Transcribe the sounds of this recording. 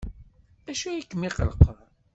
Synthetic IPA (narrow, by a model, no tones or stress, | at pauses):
æʃujikːəmiqəlqːəð